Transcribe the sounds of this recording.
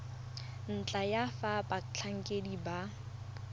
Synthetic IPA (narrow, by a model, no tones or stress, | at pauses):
n̩t͡ɬʼajafapʼat͡ɬʰaŋ̩kʼediba